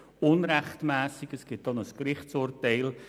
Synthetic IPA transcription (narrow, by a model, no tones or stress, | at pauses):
ʊnɾæχtmæːsɪɡəsɡ̥ɪt̚d̥ɔnəskɾɪχt͡sʊːrtɛɪl